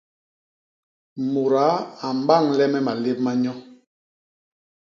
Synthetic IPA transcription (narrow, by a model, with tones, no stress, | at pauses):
mo˨ɾa˨˦a˨m˦ba˦˨ŋlɛ˦mɛ˦ma˨le˦p̚ma˦ɲɔ˦